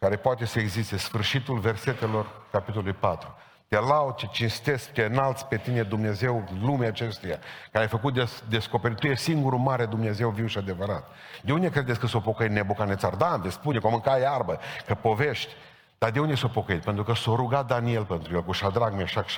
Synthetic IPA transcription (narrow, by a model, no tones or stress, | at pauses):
kaɾe̞poat̪e̞səeɡzist̪esfɨrʃit̪ulve̞rse̞t̪e̞lo̞rkapit̪olulujjpat̪ɾu | t̪elaw̪t͡ʃet͡ʃinst̪e̞sk̚t͡ʃ̪eɨnalt̪sʲpe̞t̪ine̞d̪umneze̞wlumeat͡ʃe̞st̪uja̰kaɾeajfəkut̪̚d̪esd̪e̞sko̞peɾit̪ːujesiŋɡuɾumaɾed̪umneze̞wviwʃiad̪e̞vəɾat̪ | d̪eund̪e̞kɾe̞d̪et̪sʲkəsopo̞kəit̪nebukanet̪sard̪and̪espunekomɨŋkaearbəkəpo̞veʃt̪ʲ | d̪̥ad̪e̞und̪e̞sopo̞kəit̪pent̪ɾukəsoɾuɡat̪̚d̪anie̞lpent̪ɾujelkuʃad̪ɾaɡmeʃakʃ